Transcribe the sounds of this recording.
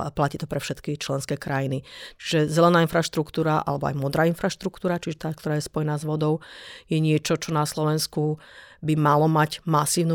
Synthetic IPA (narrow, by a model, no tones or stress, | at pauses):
placiːt̪ɔpɾɛfʃɛt̪kit͡ʃlɛnskɛːkɾajinit͡ʃi̥ʒɛzɛlɛnaːinfɾaʃt̪ɾukt̪uːɾaʔa̰lɛbɔa̰jmɔd̪ɾaːinfɾaʃt̪ɾukt̪uːɾat͡ʃiʒɛt̪aːk̚t̪ɔɾaːjɛspɔjɛnaːzʋɔd̪ɔʊjɛɲɪɛt͡ʃɔt͡ʃɔnaslɔʋɛnskubimalɔmaɟmasiːʊnu